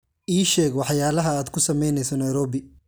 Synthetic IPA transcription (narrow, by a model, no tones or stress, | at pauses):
ʔiːʃɛːɡwɑħjaːlɐɦɐaːd̪kʰʊsɐmɛjnɛjsɔnɐjɾɔːbɪ